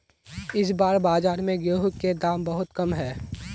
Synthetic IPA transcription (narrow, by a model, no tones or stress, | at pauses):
ɪs̬baːɾbaːzaːɾmẽɡeːɦʊkked̪aːmbɐɦʊt̪kɐmɦɛː